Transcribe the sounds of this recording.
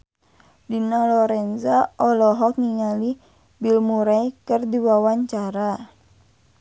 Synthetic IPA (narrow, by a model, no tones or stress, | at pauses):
dinalɔɾɛnzaʔɔlɔɦɔk̚niŋali | bilmuɾajkɨrdiwawaɲt͡ʃaɾa